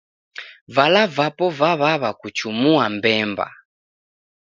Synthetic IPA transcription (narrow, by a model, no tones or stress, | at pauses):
valavapɔvaβaβakut͡ʃumuambɛmba̰